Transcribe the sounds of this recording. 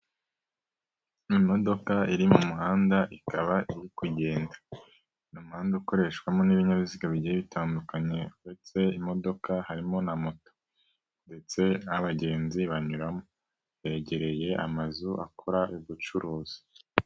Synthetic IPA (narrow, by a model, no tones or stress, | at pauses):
imo̞do̞kaiɾimumuɦaːndaʔikaβaʔiɾikuɟe̞ːndḁ | numuhaːndauko̞ɾe̞ʃkwamoniβiɲaβiziɡaβiɟijeβitaːndukaɲe̞uɾe̞t͡se̞imo̞do̞kahaɾimo̞namoto̥ | nde̞t͡se̞aβaɟe̞ːnziβaɲuɾamo | βe̞ɟe̞ɾe̞je̞ʔa̰mazuʔa̰kʰuɾaʔuβut͡ʃuɾoːzi